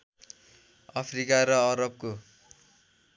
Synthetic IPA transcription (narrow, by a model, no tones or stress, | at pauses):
ʌpʰrikaɾʌʌɾʌb̚ko